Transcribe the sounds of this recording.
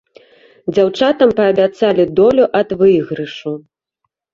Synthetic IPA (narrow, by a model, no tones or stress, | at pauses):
d͡zʲawt͡ʂat̪ɐmpɐːbʲat̪salʲid̪ɔlʲuʔɐd̪vɨjɣɾɨʂu